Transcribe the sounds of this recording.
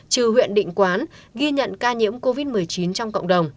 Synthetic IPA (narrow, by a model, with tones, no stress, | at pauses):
t͡ɕɨ˨˩hwḭ˧˨ənɗḭ˧˨ŋ̟kwaː˨˦nɣi˧ɲə̰˧˨nkaː˧ɲḭ˧˥əmko˧vi˦˥t̚mɨ˨˩əjt͡ɕi˨˦nt͡ɕɔ˧wŋ͡mkə̰˧˨wŋ͡mɗə˨˩wŋ͡m